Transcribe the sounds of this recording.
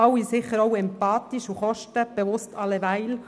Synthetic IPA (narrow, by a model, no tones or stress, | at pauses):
ɑwisɪχəɾɔʊɛmpɑːt̪iʃuχɔʃtəb̥eʋʊstʰɑlːeʋæɪl